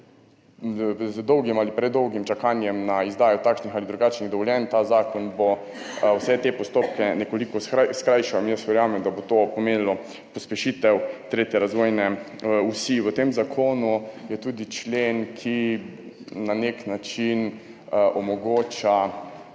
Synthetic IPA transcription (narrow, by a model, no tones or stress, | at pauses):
zd̪ɔwɡimalipɾɛd̪ːɔwɡimt͡ʃakaːnjɛmnaizd̪aːjɔt̪aːkʃnixalid̪ɾuɡaːt͡ʃniɣd̪ɔʋɔljɛnt̪azaːkɔnbo | wsɛt̪epɔst̪oːp̚kɛnɛkolikɔskɾajʃɔmjəsʋɛɾjaːmɛmd̪abot̪opɔmeːnilɔ | pɔspɛʃiːt̪ɛwt̪ɾeːt̪jɛɾazʋojnɛ | usiʋət̪emzakʰoːnujɛt̪uːd̪it͡ʃleːnkʰi | naneknat͡ʃin | ʔɔmɔɡoːt͡ʃa